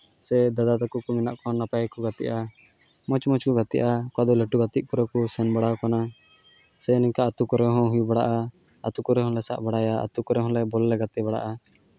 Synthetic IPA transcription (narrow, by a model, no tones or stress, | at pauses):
sɛd̪ad̪ad̪ɔkuʔkumina̰ʔkɔɔ̃napajkɔɡat̪iʔa | mɔt͡ʃmɔt͡ʃkɔɡat̪iʔakwad̪ɔleʈuɡat̪iʔ̚puɾɔkusɛnbaɽawkana | sɛniŋkaat̪ukɔɾɛɦɔ̃ɦujubaɽa̰ʔa̰ː | t̪ukɔɾɛɦɔ̃lɛsa̰ʔbaɽajaa̰t̪ukɔɾɛɦɔ̃lɛbɔlːɛɡat̪ɛbaɽa̰ʔa